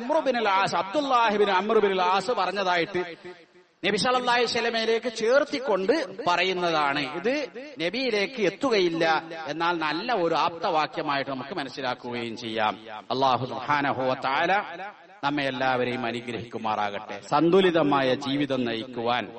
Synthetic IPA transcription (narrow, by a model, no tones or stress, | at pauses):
mrɨbinulaːsɐb̚d̪ulːaːɦibinɨamrɨbinulaːsɨpɐrɐɲːɐðaːjiʈːɨ | nebiɕɐlɐlːaːjiɕɐlɐmɐjile̞ːkːɨt͡ɕe̞ːrt̪ːikːo̞ɳɖɨpɐrɐjunːɐðaːɳɨiðɨne̞bijile̞ːkːɨe̞t̪ːuɣɐjilːɐe̞nːaːlnɐlːɐo̞ɾuaːp̚t̪ɐʋaːkjɐmaːjiʈːɨnɐmukːɨmɐnɐsːilaːkːuɣɐjumt͡ɕe̞jːa̰ːmɐlːaːɦusubħaːnɐɦuʋɐt̪ɐʕaːla | nɐmːɐelːaːʋɐɾe̞jumɐniɡɾɐɦikʲːumːaːra̰ːɣɐʈːe̞̰sɐnd̪ʱuliðɐmaːjɐd͡ʑiːʋiðɐmnɐjikʲːuʋaːn